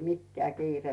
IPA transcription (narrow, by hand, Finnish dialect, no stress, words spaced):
mikːĕæˑ kiːre